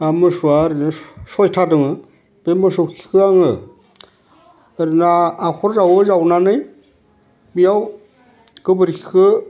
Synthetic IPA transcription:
amɯsuaɾinɯsojtʰadɯŋɯ | b̥emɯsowkʰi̥kʰɯaŋɯ | ɾinaːkʰɔɾzawɯzawnanɯj | bijaw | ɡɯbɯɾkʰi̥kʰɯ

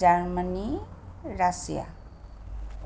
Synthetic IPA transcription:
aɾməni | ɾasḭa̰

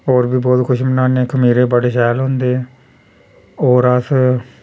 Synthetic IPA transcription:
oːɾbʱiːbɔːt̪kʰʊʃmənaːneːkʰəmiːɾeːbəɽeːsɛːlɦõnd̪eː | oːɾas

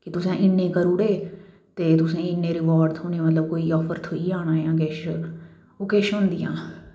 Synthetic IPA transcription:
kɪt̪ʊsẽːʔɪnːẽːkəɾuɽeː | t̪eːt̪ʊsẽːɪnːẽːɾɪʋɔːɾɖd̪ɦoːneːmət̪ləb̚koːiːɔːpʰəɾt̪ʰoiːaːnaːjãːkɛːʃə | oːkɛːʃõnd̪ɪjãː

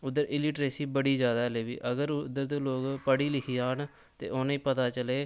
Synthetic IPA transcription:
ʊd̪ːəɾɪliːʈɾeːsiːbəɽiːd͡ʒjaːd̪aːleːbḭːʔəɡəɾd̪əɾd̪oːloːɡpəɽiːlɪkʰiːaːn | t̪ḛːʔoːniːpət̪aːt͡ʃəleː

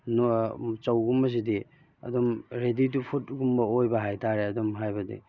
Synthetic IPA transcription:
nt͡ʃɐwɡumbɐs̬idi | ɐ̰dumɾedit̬upʰut̚ɡumbɐojbɐɦajtʰaɾeɐdumɦajbɐdḭ

